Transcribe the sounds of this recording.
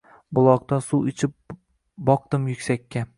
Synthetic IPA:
bʊlˠɒq̚t̪ansuwɪt͡ʃʰɪp̚ | bɒq̚t̪ɪmjʊkʲsakʲʰːa

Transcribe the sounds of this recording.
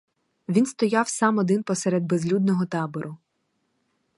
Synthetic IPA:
ʋʲinst̪ɔjɑwsɑmɔd̪ɪnpɔsɛɾɛd̪̚bezlʲud̪̚nɔɦɔt̪ɑbɔɾʔʊ

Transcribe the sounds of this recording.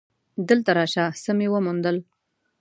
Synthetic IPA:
d̪əlt̪aɾɑʃasəmewəmund̪əl

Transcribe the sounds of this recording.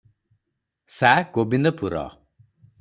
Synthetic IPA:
sakobind̪ɔpuɾɔ̰

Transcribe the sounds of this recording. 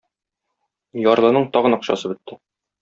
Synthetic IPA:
jɒɾlˠɤ̆nɤɴt̪ɒʁɤ̆nɒqɕɑ̰sɤbɵ̆t̪ːɘ

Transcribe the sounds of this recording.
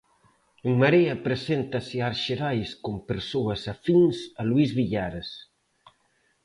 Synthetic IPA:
eŋmaɾeapɾesent̪asiaɾʃeɾajskompeɾsoɐsafinsaluizβiʎaɾes

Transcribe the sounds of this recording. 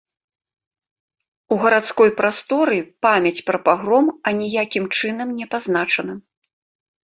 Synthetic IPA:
uɣɐɾat̪skɔjpɾast̪ɔɾɨpamʲɐt͡sʲpɾɐpaɣɾɔmɐnʲijakʲimt͡ʂɨnɐmnʲɛpaznat͡ʂɐnɐ

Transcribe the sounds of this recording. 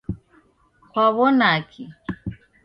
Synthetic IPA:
kwaβɔnakʰi

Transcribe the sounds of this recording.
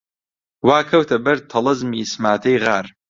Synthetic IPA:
waːkʰɐwtʰɐbɐrtʰːɐlɐzmiːsmaːtʰɐjʁaːr

